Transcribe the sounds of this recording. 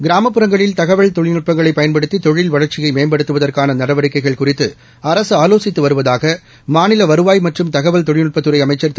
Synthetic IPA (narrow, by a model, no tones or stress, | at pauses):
ɡɪɾaːmɐpːɯɾɐŋɡɐɭɪlt̪ɐɣɐʋɐɭt̪ɔɻɪnɯʈ̚pɐŋɡɐɭɐɪpːɐjɐnpɐɽɯt̪ːit̪ɔɻɪlʋɐɻɐrt͡ʃɪjɐɪmeːɐmbɐɽɯt̪ːɯʋɐðɐrkaːnɐnɐɽɐʋɐɽɪkːɐɪɣɐɭkʊrɪt̪ːɯ | ɐɾɐsɯaːloːsɪt̪ːɯʋɐɾɯʋɐðaːɣɐ | maːnɪlɐʋɐɾɯʋaːjmɐʈrɯmt̪ɐɣɐʋɐɭt̪ɔɻɪnɯʈ̚pɐt̪ːɯɾɐɪɐmɐɪt͡ʃːɐr